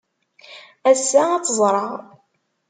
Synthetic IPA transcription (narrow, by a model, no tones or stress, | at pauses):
æsːæɑt͡sːəzˤɾˤɑʁ